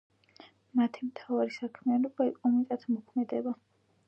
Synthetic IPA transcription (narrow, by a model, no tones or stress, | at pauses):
mat̪ʰimt̪ʰavaɾisakʰmianɔbaiqʼɔmit̪ʼat̪ʰmɔkʰmɛd̪ɛba